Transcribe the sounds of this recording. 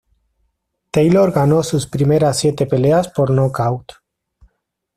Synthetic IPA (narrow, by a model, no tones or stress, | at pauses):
t̪ejloɾɣanosuspɾimeɾasːjet̪epeleaspoɾnokawt̪